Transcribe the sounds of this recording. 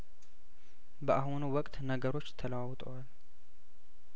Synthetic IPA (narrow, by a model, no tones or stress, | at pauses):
bəʔaɦunuwɔkʼt̪nəɡəɾo̞t͡ʃːt̪ʰələwawt̪ʼəwal